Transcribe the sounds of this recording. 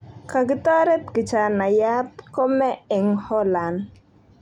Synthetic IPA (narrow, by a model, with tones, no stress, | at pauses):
ka˨ɡɪ˦t̪ɔ˦ɾɛ˦t̪ɡɪ˨t͡ʃa˨na˨ja˦tko˦mɛ˦ɪ˨ŋhɔ˦la˨n